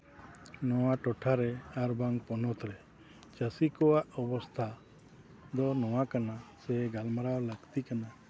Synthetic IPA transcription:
nɔwaʈɔʈʰaɾɛaɾbaŋpɔnɔt̪ɾɛ | t͡ʃəsikɔwaʔɔbɔst̪ʰa | d̪ɔnɔwakanasɛɡalmaɾawləɡt̪ikana

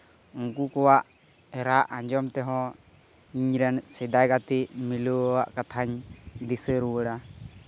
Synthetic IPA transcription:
uŋkukɔwaʔ | ɛɾaʔãɲd͡ʒɔmt̪ɛɦɔ̃ | iɲɾɛnsɛd̪ajɡat̪iʔmiluwaʔkat̪ʰaɲd̪isəɾuwəɽa

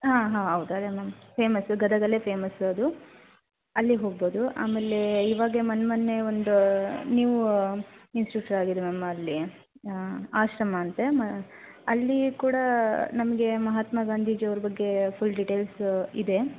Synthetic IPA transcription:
ɦaːɦaːɦɐwd̪uɐd̪emɐmɐpʰe̞ːmɐsɡɐd̪ɐɡ̪ɐle̞ːpʰe̞ːmɐsɐd̪u | ɐlːiɦo̞ːɡboːd̪uʔa̰ːmeːlːe̞iːʋaːɡemɐnmɐnːe̞ond̪unjuːʋu | insʈɾuk̚ʈɐɾaːɡid̪emɐmːɐːlːi | aːʃɾɐmɐːnt̪emɐ | ɐlːikuːɽɐnɐmɐɡe̞mɐɦat̪mɐɡaːnd̪ʱiːd͡ʒiɐʋɾɐbɐɡːe̞pʰulɖiʈe̞ːlsid̪e̞

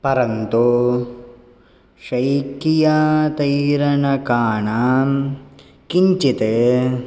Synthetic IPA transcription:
pɐɾɐnt̪u | ʃɐjkijaːt̪ɐjɾɐɳɐkaːɳa | kiɲt͡ʃit̪e

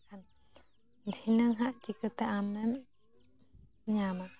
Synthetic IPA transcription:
kan | nt̪ʰinɯŋɦaʔt͡ɕikɯt̪ɛʔamɛm | ɲama

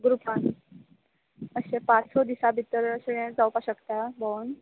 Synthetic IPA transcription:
ɡɾupãn | əɕẽpãt͡ssɔd̪isabʱit̪əɾəɕeẽd͡zawpaɕəkt̪abon

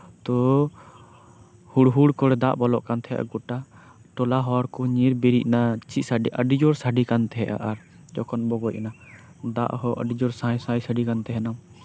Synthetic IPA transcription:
t̪ɔ | huɽɦuɽkɔɽɛd̪aʔbɔlɔʔkant̪ʰɛɦɛ̰ʔa̰ɡɔʈa | ʈɔlaɦɔɽkɔɲiɾbiɾiʔ̚nat͡ʃiʔsaɖiʔəɖid͡ʒɔɾsaɖikant̪ɛɦɛʔa̰ʔaɾ | d͡ʒɔkɔnbɔɡɔc̚ɛna | d̪a̰ʔɦɔʔə̰ɖid͡ʒɔɾsãjsãjsəɖikant̪ɛɦɛnam

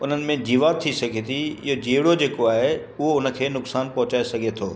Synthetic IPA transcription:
ʊn̤ənɪ̆mẽd͡ʑiːʋaːt̪ʰːisɐɡʱet̪ʰiɪ̰ɦod͡ʑeːɪɽod͡ʑeːkoaːɦe | ʊɦoʊnə̆kʰeːnʊksaːnpɐɦʊt͡ɕaːesɐɡʱet̪ʰoː

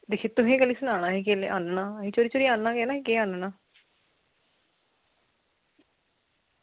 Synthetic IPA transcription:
d̪eːkʰeːt̪ʊɦẽːɡəlːiːsʊnaːɽ̃ãːɦẽːkeːlḛʔa̰ːnnaːəɦĩːt͡ʃoːɾiːt͡ʃoːɾiːaːnnaːkɛːnaːɦekeːãːnnaː

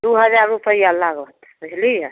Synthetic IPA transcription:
d̪uɦəd͡ʒaɾːupəjalːaɡət̪ | ɾəɦlije

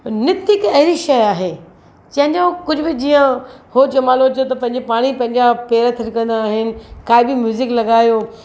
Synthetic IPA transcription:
nɪt̪ɪkɐɦɪɾiʃɐjaːɦeː | t͡ɕɐ̃ɦɪ̃ɲd͡ʑokʊd͡ʑʱʊbɪd͡ʑiːə̃hoːd͡ʑɐmaːlod͡ʑɐot̪̬ɐpɐ̃ɦɪ̃ɲd͡ʑepaːɽ̃ipɐ̃ɦɪ̃ɲd͡ʑapeːɾat̪ʰɐɾkɐ̃nd̪aːɦɪnɪ̆kaːibɪmjuːzɪklɐɡaːjoː

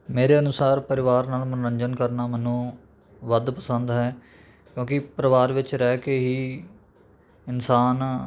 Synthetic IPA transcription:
meːɾeːənʊsaːɾpəɾɪʋaːɾnaːlmənːɾəɲd͡ʒənkəɾnaːmɛːnũː | ʋəd̪pəsə̃nd̪ɦɛː | kjõːkɪpɾəʋaːɾʋɪt͡ʃɾɛːkeːɦiː | ɪnsaːn

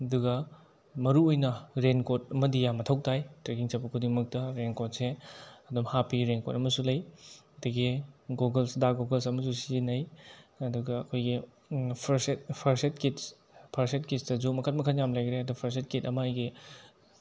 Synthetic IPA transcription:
ɐduɡɐ | mɐɾuojnɐɾenkot̚ɐmɐdijamɐtʰɐw̚tʰajtɾekiŋt͡ʃapɐkʰudiŋmɐk̚tɐɾenkot̚seɐdumhapiɾenkotɐmɐsulɐjɐdɐɡiɡoɡɐlsdaɡoɡɐlsɐmɐsusinɐjɐduɡɐːkʰojɡi | pʰɐɾsetpʰɐɾset̚kits | pʰɐɾsetkitsdɐzumɐkʰɐt̚mɐkʰɐnjamlajɡɾeɐdupʰɐɾs̬et̚kitɐmɐajɡi

